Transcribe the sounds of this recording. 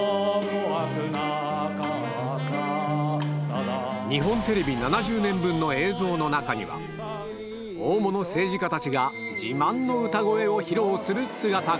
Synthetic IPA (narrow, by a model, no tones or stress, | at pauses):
ɲ̟iɦõ̞nt̪e̞ɾe̞bʲinanaʑɨːnẽ̞mbɯ̃nːo̞e̞ːzo̞ːno̞nakaɲ̟ḭβa̰ | o̞ːmo̞no̞se̞ːʑikat̪at͡ɕiɡa | d͡ʑimãnːo̞ɯ̟t̪aɡo̞e̞o̞çiɾo̞ːsɨɾɯ̟sɨɡat̪a